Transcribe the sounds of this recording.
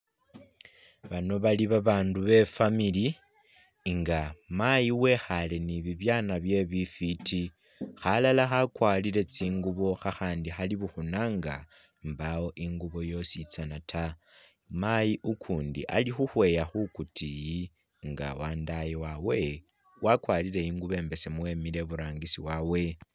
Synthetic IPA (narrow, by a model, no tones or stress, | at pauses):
βano̞βaliβaβaːnduβe̞famili | ŋɡamajiwe̞xale̞niβiβjanaβje̞βifitʰi | xalalaxakwalile̞t͡siːŋɡuβo̞xaxaːndixaliβuxunaːŋɡa̰ | mbawo̞ʔiŋɡuβo̞jo̞sit͡sanatʰa | majiʔukʰuːndḭʔa̰lixuxwe̞jaxukutiji | ŋɡa̰waːndajiwawe̞ | wʔakwalile̞iːŋɡuβe̞ːmbe̞semwe̞mile̞βuɾaːŋɡisiwawe̞